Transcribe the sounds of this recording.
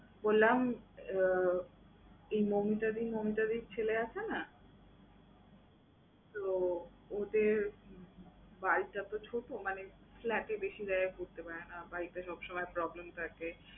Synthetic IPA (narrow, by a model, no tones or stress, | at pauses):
bolːam | ejmomiʈad̪imomiʈad̪iɾt͡ɕʰeleat͡ɕʰena | t̪o | od̪eɾ | baɾiʈat̪ot͡ɕʰoʈomane | flɛʈebeʃid̪aekuɾt̪epaɾenabaɾiʈaʃɔbʃɔmɔepɾɔblemt̪ʰake